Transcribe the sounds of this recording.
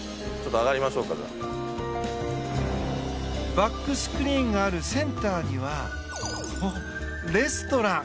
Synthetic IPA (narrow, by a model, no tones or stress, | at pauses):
t͡ɕot̪ːoaɣaɾʲimaɕo̞ːkːaza̰ | bakːɯ̟sɨ̥kɯ̟ɾʲĩːŋɡaːɾɯ̟sẽ̞nt̪aːɲ̟iβa | ho | ɾe̞sɨ̥t̪o̞ɾã